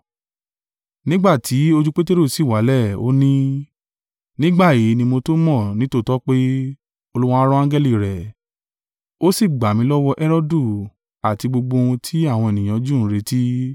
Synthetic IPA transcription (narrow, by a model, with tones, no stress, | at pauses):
nĩ˦ɡ͡ba˦˨tʰi˨˦o˧d͡ʒu˦k͡pe˦te˦ɾo˦˨si˨wa˨˦lɛ˦˨o˦nĩ˦ | nĩ˦ɡ͡ba˦˨je˨˦nĩ˧mo˧to˦mɔ̃˦˨nĩ˨˦to˦˨tɔ˦k͡pe˦ | o˧lu˦wɔ̃˦a˦ɾɔ̃˦ã˦ɡɛ˦li˦˨ɾɛ˨ | o˦si˦˨ɡ͡ba˨mĩ˨˦lɔ˦wɔ˦ʔɛ˦ɾɔ˦du˦˨ | a˨ti˧ɡ͡bo˧ɡ͡bo˧ũ˧tʰi˦a˦˨w̃ɔ̃˧e˨nĩ˨j̃ã˨˦d͡ʒũ˦˨n̩˦ɾe˧ti˦